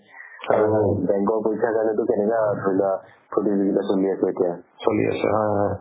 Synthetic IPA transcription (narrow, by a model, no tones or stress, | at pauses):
aɹubɛ̃ŋkɔɹpojsʰakaɹnɛtʊkɛnɛkadʱojza | pʰutiziɡitasuliasɛetijasolḭa̰sɛ̰ɦɔjɦɔj